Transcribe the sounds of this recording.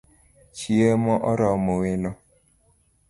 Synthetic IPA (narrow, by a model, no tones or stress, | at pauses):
t͡ʃiemɔʔɔɾɔmoweno